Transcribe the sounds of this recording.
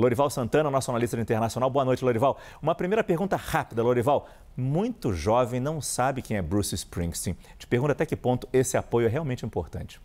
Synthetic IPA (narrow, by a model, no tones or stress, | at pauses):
loɾivawsɐ̃nt̪ɐ̃nɐnɔsʊonalist̪ɐd͡ʒɪĩt̪eɾnasiõnawboɐnojt͡ʃɪloɾivaw | ũmɐpɾimejɾɐpeɾɡũnt̪ɐhapid̪ɐloɾivaw | mũj̃t̪ʊʒɔvẽj̃nɐ̃w̃sabɪkẽj̃ɛbɾusɪspɾĩɡst̪ĩ | t͡ʃɪ̥peɾɡũt̪at̪ɛkɪpõnt̪ʊ̥esɪapojʊɛɦeawmẽnt͡ʃɪĩmpoɾt̪ɐ̰̃nt͡ʃɪ̥